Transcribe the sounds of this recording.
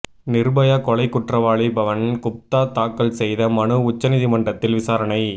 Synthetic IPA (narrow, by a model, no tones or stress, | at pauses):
nɪɾbɐjakɔɭɐɪkːʊʈrɐʋaːɭibɐʋɐnkʊp̚t̪aːt̪aːkːɐlsɛjðɐmɐnɯʊt͡ʃːɐnɪðimɐɳɖrɐt̪ːɪlʋɪsaːɾɐnɐɪ